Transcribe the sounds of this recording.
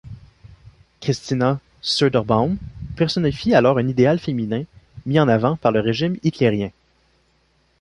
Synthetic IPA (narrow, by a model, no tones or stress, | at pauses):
kʁist̪ina | sød̪ɛʁbãnpɛʁsɔnefialɔːʁɛ̃nid̪ealfeminɛ̃miɑ̃navɑ̃paʁləʁeʒɪmit̪leʁjɛ̃